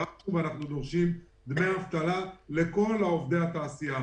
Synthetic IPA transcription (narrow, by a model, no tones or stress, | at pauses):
auvanaχnud̪o̞ʁʃim | d̪meavt̪alale̞ko̞laovd̪e̞at̪aːsija